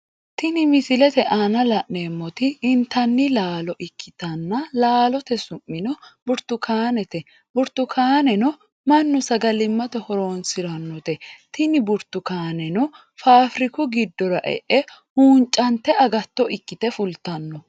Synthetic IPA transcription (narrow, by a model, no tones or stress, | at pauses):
t̪ɪnɪmɪsɪlɛt̪ɛʔaːnɐlɐʔneːmːɔt̪ɪːnt̪ɐnːɪlaːlɔʔɪkʰːɪt̪ɐnːɐlaːlɔt̪ɛsʊmːɪnɔbʊɾt̪ːʊkʰaːnɛt̪ɛ | bʊɾt̪ʊkʰaːnɛnɔ | mɐnːʊsɐɡɐlɪmːɐt̪ɛhɔɾoːnsɪɾɐnːɔt̪ɛt̪ɪnɪbʊɾt̪ːʊkaːnɛnɔ | faːfɾɪkʊɡɪd̪ːɔɾɐʔɛ̰ʔɛhuːnt͡ʃʼːɐnt̪ːɛɐɡɐt̪ːɔʔɪkːɪt̪ɛfʊlt̪ɐnːɔ